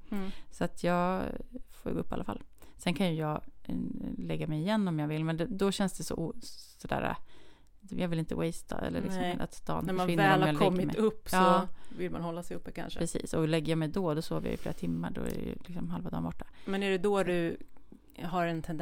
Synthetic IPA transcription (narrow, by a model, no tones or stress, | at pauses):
sɔat̪ʰjɑːɡfoːj̰ɡɵpːa̰lʔafa̰lːsɛnkʰanjɵjɑːɡ | lɛɡːamɛjɪjɛnːɔmjɑːɡvɪlːmɛnd̪ɛd̪ɔɕɛnsd̪ɛsɔʔuːsɔd̪æ̰ːɾa̰ | jɑːɡvɪlɪnt̪əwɛjst̪ʰa̰ɛ̰lːə̰ɭɪksɔmɛnʔa̰t̪st̪ʰɑ̰ːnmaɪnvɛːlamalk̪ʰɛɔmɡːɪmɛɵpːsɑɔːvɪlmanhɔlːasɛjɵpːəkʰa̰nʂəpɾɛsḭːsɔlɛɡːəjamɛjd̪ɔd̪ɔsoːvəja̰jʏfleːɾat̪ʰɪmːaɖɔ̰æ̰ɾɛ̰jɵ̰lɪksɔmɦalvad̪ɑ̰ːɾbɔʈːḁmɛnæɖɛd̪ɔd̪ɵ | ɦaɾɛnt̪ʰɛnd̪